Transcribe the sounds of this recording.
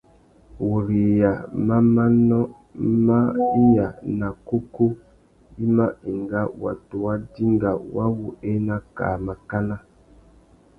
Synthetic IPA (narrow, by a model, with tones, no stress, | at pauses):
wo˨ɾi˨ja˨ma˦ma˦nɔ˦ | ma˦i˦ja˨na˨ko˦ku˦ | i˦ma˦e˨ŋɡa˦wa̰˨to˨wa˦di˦ŋɡa˨wa˦wu˨e˦na˦ka̰ː˨ma˨ka˦na˦